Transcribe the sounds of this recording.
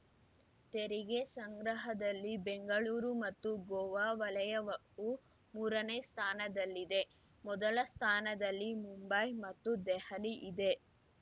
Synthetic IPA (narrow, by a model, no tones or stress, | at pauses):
t̪eɾiɡe̞sɐŋɡɾɐɦɐd̪ɐlːibeŋɡɐɭuːɾumɐt̪ːuɡɔʋaːʋɐlɐjɐʋɐ | u | muːɾɐneːst̪ʰaːnɐd̪ɐlːid̪e̞ | mɔd̪ɐlɐst̪ʰaːnɐd̪ɐlːimumbɐjmɐt̪ːud̪ɛhɐliʔid̪e̞